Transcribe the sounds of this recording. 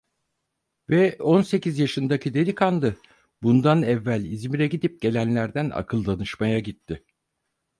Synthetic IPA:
vɛo̞nse̞cizjaʃɯnd̪acʰid̪e̞lʲikʰanlˠɯ | bund̪anɛvːælʲizmiɾɛɟid̪ip̚ɟ̥e̞lʲænlʲæɾd̪æna̰kʰɯlˠd̪anɯʃmajaɟit̪ʰːɪ

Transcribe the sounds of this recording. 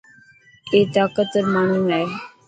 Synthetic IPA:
eːt̪aːkət̪ːəɾmaːɳũːnae

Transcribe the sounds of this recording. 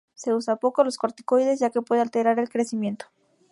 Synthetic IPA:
se̞usapo̞koloskoɾt̪i̥kojðe̞sʝake̞pweðalt̪eɾaɾe̞lkɾe̞simje̞nt̪o̥

